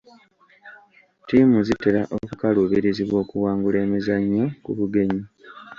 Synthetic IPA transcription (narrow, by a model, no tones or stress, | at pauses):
timuzite̞laʔokukaluβiɾiziβwo̞ːkuwaːŋɡule̞ːmizaɲːokuβuɡe̞ɲi